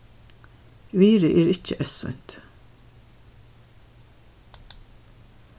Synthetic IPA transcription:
ʋiːɾəʔeːɾɪcəʔœsœ̰ʏn̥t̪

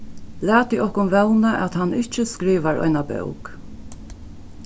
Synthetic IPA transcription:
læːt̪iʔɔhkʊnʋɛwnaʔæt̪hanːɪht͡ʃəskɾiːʋaɾɔ̰ɪnabœ̰wk

